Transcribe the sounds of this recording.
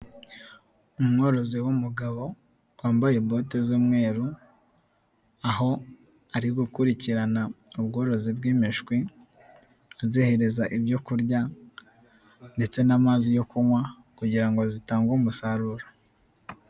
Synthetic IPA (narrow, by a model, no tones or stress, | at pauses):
umŋo̞ɾo̞ziwumuɡaβo̞ | waːmbajebo̞ːtezoːmŋe̞ːɾu | aɦo̞ | aɾiɡukuɾiciɾanaubɡo̞ːɾo̞zibɡiːmiʃkwi | azehe̞ɾe̞zaʔibjo̞kuɾɟa | nde̞t͡se̞namaːzijo̞kuŋwa | kuɟiɾaŋɡo̞zitaːŋɡumusaɾuɾo